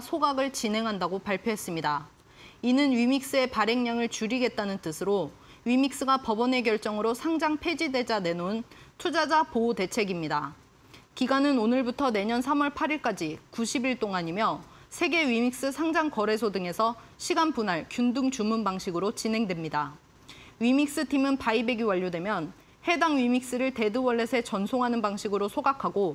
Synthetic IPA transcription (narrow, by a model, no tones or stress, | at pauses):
sʰoɡaɡɯɭt͡ɕinɦe̞ŋɦandaɡopaɭpʰjoɦe̞s͈ɯmɲida | inɯnɥimik̚s͈ɯe̞paɾe̞ŋɲaŋɯɭt͡ɕuɾiɡe̞t̚t͈anɯnt͈ɯsʰɯɾo | ɥimik̚s͈ɯɡapʌbʌne̞ɡjʌɭt͡ɕ͈ʌŋɯɾosʰaŋd͡ʑaŋpʰe̞d͡ʑide̞d͡ʑane̞nontʰud͡ʑad͡ʑapoːte̞t͡ɕʰe̞ɡimɲida | kiɡanɯnonɯɭbutʰʌne̞ɲʌnsʰamʌɭpʰaɾiɭk͈ad͡ʑikuɕʰibiɭt͈oŋaɲimjʌ | sʰe̞ɡe̞ɥimik̚s͈ɯsʰaŋd͡ʑaŋkʌɾe̞s̬ʰodɯŋe̞sʰʌɕʰiɡanpunaɭkjundɯŋt͡ɕumunbaŋɕʰiɡɯɾot͡ɕinɦe̞ŋdwemɲida | ɥimik̚s͈ɯtʰimɯnpaibe̞ɡiwaʎːodwe̞mjʌn | he̞daŋɥimik̚s͈ɯɾɯɭte̞dɯwʌɭːe̞sʰe̞t͡ɕʌnsʰoŋɦanɯnbaŋɕʰiɡɯɾosʰoɡakʰaɡo